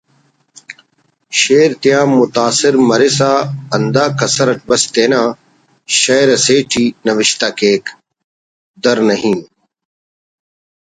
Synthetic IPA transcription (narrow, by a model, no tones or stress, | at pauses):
ʃeːɾt̪ɪjãːmʊt̪aːsɪɾmɐɾeːsaːɐnd̪aːkɐsɐɾɐʈ̚bɐst̪eːnãː | ʃɐːɾɐseːʈʰiːnɐʋɪʃt̪aːkeːk | d̪ɐɾnɐɦĩː